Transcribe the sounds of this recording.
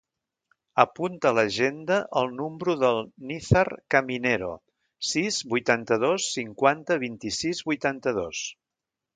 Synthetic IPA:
əpunt̪ələʒend̪əʔəlˠnumbɾuðəlˠniθərkəmineɾo̰ | sizβujt̪ant̪əðosːiŋkwant̪əβint̪isizβujt̪ant̪əðos

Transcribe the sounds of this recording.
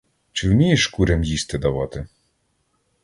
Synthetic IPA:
t͡ʃɪwmʲijeʃkuɾʲɐmjist̪ɪd̪ɐʋɑt̪ɪ

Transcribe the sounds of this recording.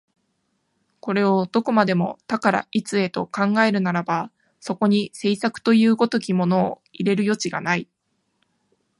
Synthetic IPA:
ko̞ɾe̞o̞d̪o̞ko̞mad̪e̞mo̞t̪akaɾa̰ʔit͡sɨe̞t̪o̞kãŋɡae̞ɾɯ̟naɾaba | so̞ko̞ɲ̟ise̞isakɯ̟̥t̪o̞jɯ̟ːɡo̞t̪o̞kʲimo̞no̞ː | iɾe̞ɾɯ̟jo̞t͡ɕiɡa̰nai

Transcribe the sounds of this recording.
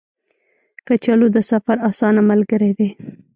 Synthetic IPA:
kət͡ʃalod̪əsafaɾɑsɑnamalɡəɾed̪e

